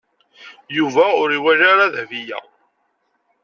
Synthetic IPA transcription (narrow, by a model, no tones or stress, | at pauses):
juvæʊɾiwæʒaɾaðhvijæ̰